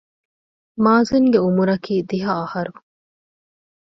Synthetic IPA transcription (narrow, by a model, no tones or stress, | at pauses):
maːziŋɡeumuɾɐkʰiːd̪iɦɐːhɐɾu